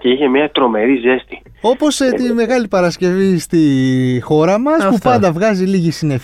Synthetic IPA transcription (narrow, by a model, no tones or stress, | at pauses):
ceiçe̞mɲɐt̪ɾo̞me̞ɾize̞st̪i̥ | o̞po̞set̪ime̞ɣɐlipɐɾɐsce̞vist̪ixo̞ɾɐmɐspupɐnd̪ɐvɣɐziliʝisine̞f